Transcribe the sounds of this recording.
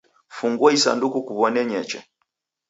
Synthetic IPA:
fuŋɡwɔisa̰ndukukuβɔnɛɲɛt͡ʃɛ

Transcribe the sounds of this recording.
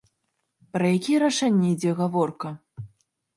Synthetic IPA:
pɾɐjakʲijɛɾaʂɛnʲːɛid͡zʲɛɣavɔrkɐ

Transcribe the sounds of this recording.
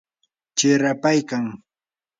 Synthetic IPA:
t͡ʃɪɾapajkaŋ

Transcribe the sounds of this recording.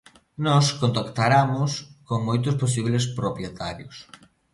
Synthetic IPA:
nɔskont̪akt̪aɾamʊskoŋmojt̪̬ʊspos̬iβles̬pɾopjet̪aɾjʊs

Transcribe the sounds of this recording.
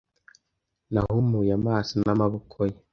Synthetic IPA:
nahumujamaːsinamaβukʰoji

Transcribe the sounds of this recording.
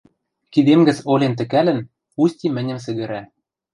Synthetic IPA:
kid̪emɡɘ̆t͡solʲent̪ɘ̆kælɘ̆n | usʲtʲimɘ̆nʲɘ̆msɘ̆ɣɘ̆ɾæ

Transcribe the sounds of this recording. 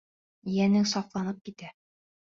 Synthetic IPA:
ijænɘŋsɑflˠɑnɤp̚kit̪æ

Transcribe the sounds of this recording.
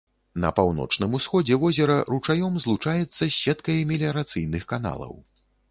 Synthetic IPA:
nɐ̰pawnɔ̰t͡ʂnɨmusxɔd͡zʲɛvɔzʲɛɾɐɾut͡ʂajɔmzlˠut͡ʂajɛt̪sːɐɕʲɛt̪kɐjɛmʲɛlʲɛɾat̪sɨjnɨxkan̪a̰lˠɐ̰w

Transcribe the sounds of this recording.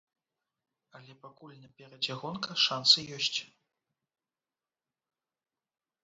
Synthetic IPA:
ɐlʲɛpakulʲnɐpʲɛɾɐd͡zʲaɣɔnkɐʂansɨjɔsʲt͡sʲ

